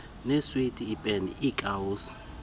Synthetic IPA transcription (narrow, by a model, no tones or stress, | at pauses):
nɛswitʼiːpʼɛnḭikʼawuːs